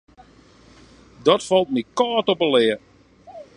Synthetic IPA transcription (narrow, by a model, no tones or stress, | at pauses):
dɔtfɔlˠt̚mikɔːtopəlɪə